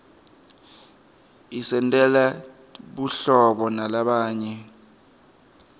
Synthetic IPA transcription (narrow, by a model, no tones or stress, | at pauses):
isɛntʼɛla | ɓuɬɔɓɔnalaɓaːɲɛ